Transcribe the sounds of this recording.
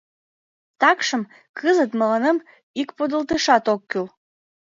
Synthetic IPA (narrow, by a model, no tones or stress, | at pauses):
t̪ɑkʃə̆m | kʰɨzət̪məlɑnəm | ikpod̪ə̆lt̪əʃɑt̪okːyl